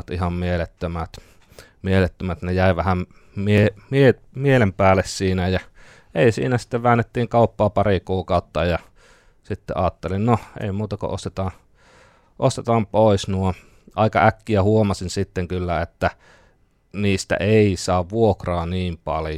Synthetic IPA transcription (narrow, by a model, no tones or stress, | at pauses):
ɑt̪ihɑmmielet̪ːømæt̪ | mielet̪ːømæt̪nejæˑiʋæhæm | miemie | mielempæːlːˑessiːnæjæ | eˑisḭːnæsi̥t̪ːeʋʋæːnːet̪ːiːŋkɑˑupːɑːpɑrikuːkɑˑut̪ːɑjɑ | sit̪ːḛʔɑːt̪ːelinnoḛˑimuːt̪ɑko̰ʔo̰st̪et̪ɑː | ʔost̪et̪ɑːmpoˑisnuo | ʔɑˑikɑ̰ækːiæhuomɑsinsit̪ːeŋkylːæet̪ːæ | niːst̪æ̰ʔeˑisɑːʋʋuokrɑːniːmpɑlj